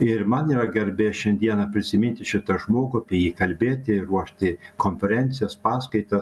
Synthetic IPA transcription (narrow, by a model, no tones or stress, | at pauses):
ɪɾmɐniːɾɐɡʲɛɾʲbʲeːʃʲɛnʲd̪ʲiɛnɐpʲɾʲɪsʲɪmʲɪnʲt̪ʲɪʃʲɪt̪ɐʒmoːɡʊɐpʲɛjiːkɐlʲbʲeːt̪ʲɪɾuɔʃʲt̪ʲɪkoːnʲfʲɛɾʲɛnʲt̪sʲɪjɛspɑːskɐɪt̪ɐ